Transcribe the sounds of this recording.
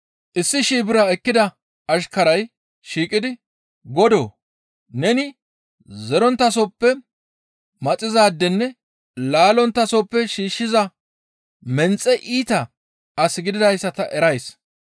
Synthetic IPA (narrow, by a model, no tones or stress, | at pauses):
ʔɪsːɪʃiːbɪɾɐɛkːɪd̪ɐ | ɐʃ̬kɐɾɐj | ʃiːkʼɪd̪ɪ | ɡɔd̪o̰ː | nɛnɪ | zɛɾɔnt̪ːɐs̬opːɛ | mɐt͡sʼɪzaːd̪ːɛnːɛ | laːlɔnt̪ːɐsoːpːɛʃiːʃːɪzɐ | mɛnt͡sʼːɛʔiːt̪ɐ | ɐsɪɡɪd̪ɪd̪ɐjsːɐt̪ɐʔɛɾɐjs